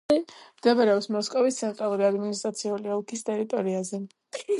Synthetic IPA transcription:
md̪̥ɛvaɾɛɔpsmɔskʼɔvist̪sʰɛnt̪ʼɾalˠuɾiad̪minist̪ʼat̪sʰiuliɔlˠkʰist̪ʼɛɾit̪ʼɔɾiazɛ

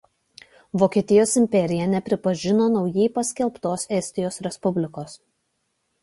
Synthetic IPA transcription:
ʋoːkʲiɛt̪ʲɪjoːsɪmʲpʲɛɾʲɪjɛnʲɛpʲɾʲɪpɐʒʲɪnoːnɒʊjɛɪpɐsʲkʲɛlˠpt̪oːsɛsʲt̪ʲɪjoːsɾʲɛspʊbʲlʲɪkoːs

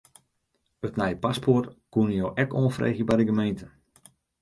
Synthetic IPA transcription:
ətnɛjpaspʰortkunəjoːʔɛkoːnfrḛːxjəbadəɡəmejntə

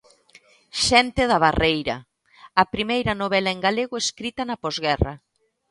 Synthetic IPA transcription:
ʃɛnt̪eðɐβ̞arejɾɐ̰ | ɐpɾimejɾɐnoβɛlɐeŋɡaleɣoeskɾit̪ɐnɐpɔzɣɛrɐ

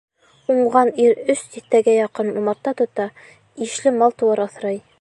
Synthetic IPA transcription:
uɴʁɑniɾɵst̪iθt̪æɡæjɑqɤnumɑɾt̪ːɑt̪ŏt̪ɑ | iʃlɘmɑlˠt̪uwɑɾɑ̆θɾɤj

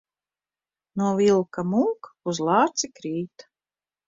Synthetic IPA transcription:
nuɔvilˠkamuːkuzlˠɑːɾt̪sikɾiːt̪

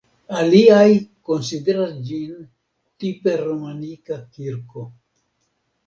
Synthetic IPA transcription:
aliajkonsideɾasd͡ʒin | tipeɾomanikakiɾko

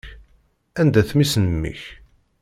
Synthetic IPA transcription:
ænd̪æθmisnmːḭç

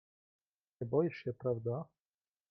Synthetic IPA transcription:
ɛbɔjɛʂɕɛpɾavd̪a

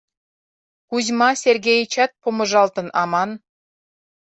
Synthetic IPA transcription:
kuzʲmɑsʲerɡʲejt͡ɕɑt̪̚pʰomə̆ʒɑlˠt̪ɤ̆nɑmɑn

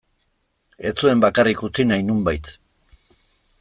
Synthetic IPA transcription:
e̞t͡sue̞mbakarikut͡sinajnumbajt̪

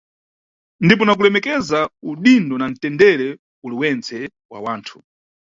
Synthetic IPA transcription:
ndip̬ɔnakulɛmɛkɛzauɗindɔnan̩tɛndɛɾɛ | uliwɛnt͡sɛ | wa̰waːntʰu̥

